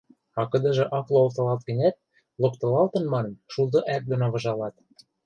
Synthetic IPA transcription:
ɑkɤ̆d̪ɤ̆ʒɤ̆ʔɑflˠoolt̪ɤ̆lɑlt̪̚ɡə̆nʲæt̪̚ | lokt̪ɤ̆lɑlt̪ɤ̆nmɑnɤ̆mʃulˠd̪ŏʔæk̚d̪onoβɤ̆ʒɑlɑt̪̚

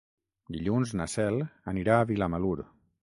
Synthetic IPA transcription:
d̪iʎunznəsɛlˠəniɾaːβilaməluɾ

